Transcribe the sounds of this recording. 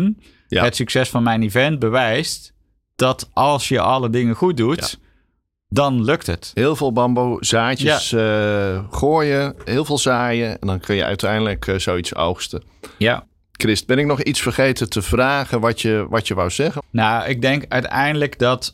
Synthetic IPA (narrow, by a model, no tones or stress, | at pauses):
n | ətsyksɛsfɑnmɛjnivɛnt̚bəʋɛjst | d̥ɔtʔɑlˠsjəʔɑlədɪŋəxut̚dut | dɑnløkthətɦɪːlˠvɪːlˠbɑmbowzaːəs | χoːjəɦɪːlˠvɪːlˠzaːjəɛndɔnkʰønjə̰œ̰ɥtʰɛjndələkʰz̥owitso̰wxstə | ja | krɪst̚bɛnɪk̚nɔxitsfərχejtətʰəv̥raːɣənʋɔtjəʋɑtjəʋawz̥ɛɣənawɪɡ̚dɛŋkœ̰ɥtɛ̰jndələkdɔt